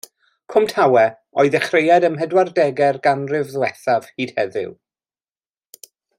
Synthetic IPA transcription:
kʰʊmtʰawɛ | ɔɨðɛχrejadəmɦɛdwardɛɡɛrɡanrɪvðwɛθav̥hiːd̥hɛðɪ̰w

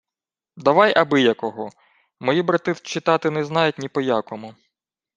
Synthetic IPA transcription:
d̪ɐʋɑjʔɐbɪjɐkɔɦɔ | mɔjibɾɐt̪ɪft͡ʃːɪt̪ɑt̪ɪnɛznɑjʊtʲnʲipɔjakɔmʊ

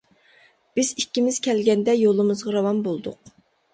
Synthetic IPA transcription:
b̥ɪzikʲːimɪz̥kʲʰɛlɡʲɛnd̪ɛjolˠɨmɨzʁɑɾɑwɑmbolˠd̪ʊ̰q̚

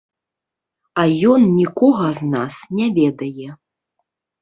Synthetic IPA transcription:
ɐjɔnnʲikɔɣɐznasnʲɛvʲɛd̪ɐjɛ

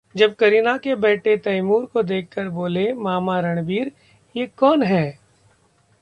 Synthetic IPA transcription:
d͡ʒɐb̚kɐɾinakebɛːʈʰet̪ɐɪmuːɾkod̪eːkʰːəɾboːlemaːmaɾɐɽ̃biːɾ | jekɔːnɦɛː

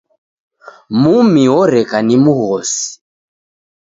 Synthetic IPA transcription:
mumiɔɾɛkanimuɣɔsi̥

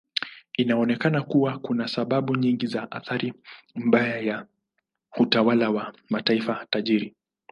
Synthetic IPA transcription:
inaɔnɛkanakuwakunasaɓaɓuɲiŋɡizaʔa̰θaɾim̩ɓajaja | utawalawamataifataʄiɾi

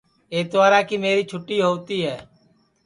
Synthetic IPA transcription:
eːd̪ʊʋaːɾaːkiːmeːɾiːt͡ʃʰʊʈːiːɦoːt̪iːɦɛː

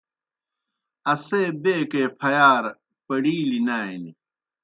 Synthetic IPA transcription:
ɐseːbeːkeːpʰɐjaːɾ | pɐɽiːlinaːini

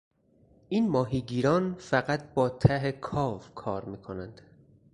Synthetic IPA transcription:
ʔiːnmɒːɦiːɡiːɾɒːnfæɣæt̪̚ʰbɒːt̪ʰæɦekʰɒːvkʰɒːɾmiːkʰonænd̪̥

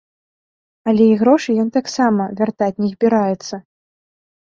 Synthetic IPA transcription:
ɐlʲɛiɣɾɔʂɨjɔnt̪aksamɐvʲart̪at͡sʲnʲizbʲiɾajɛt̪sːɐ

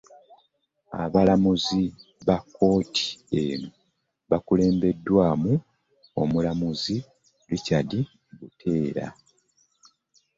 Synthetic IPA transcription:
a̰βalamuzi | βakːo̞ːtʰi̥eːnu | βakule̞ːmbe̞dːwaːmu | o̞̰mulamuzi | licali | ɡutʰe̞ːɾa̰

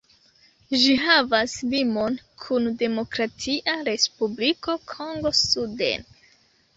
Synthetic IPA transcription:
ʒiɦavaslimo̞nkʰunde̞mo̞kɾatʰiʔaɾe̞spubliko̞kʰo̞ŋɡo̞sudḛn

